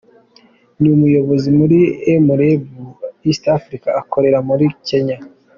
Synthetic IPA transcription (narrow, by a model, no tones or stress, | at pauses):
niumujo̞βo̞zimuɾiemuɾebuistafɾikaːko̞ɾe̞ɾamuɾike̞ɲa